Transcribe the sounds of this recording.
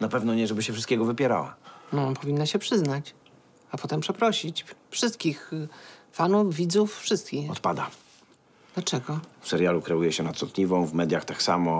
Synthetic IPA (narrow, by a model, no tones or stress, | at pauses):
napɛvnɔɲɛʐɛbɘɕɛfʂɨst̪̚kʲɛɡɔvɘpʲjɛɾa̰wa̰nɔpʰɔvʲinːaɕɛpʂɘznat͡ɕ | apɔt̪ɛmpʂɛpɾɔɕit͡ɕfʂɘst̪̚kʲix | fanuvvʲid̪zuffʂɘst̪̚kʲixɔt̪pad̪a | d̪̥lat͡ʂɛɡɔfsɛɾjalukɾɛujɛɕɛnat̪sɔt̪ɲivɔ̃w̃vmɛd̪ʲjaxt̪aksa̰mɔ